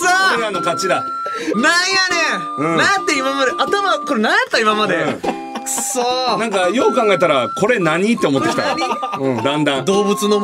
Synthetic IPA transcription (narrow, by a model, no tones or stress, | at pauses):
soanokat͡ɕiɾa | naijane | ɯ̃nãt̪ːe̞imamad̪e̞ʔat̪amako̞ɾenãjat̪ːaimamad̪eɯ̃ | sonãŋkajo̞ːkãŋɡae̞t̪aɾako̞ɾe̞naɲ̟it̪ːeomo̞t̪ːekʲit̪a̰iɯ̃d̪ãnd̪ãd̪o̞ːbɯ̟t͡sɨno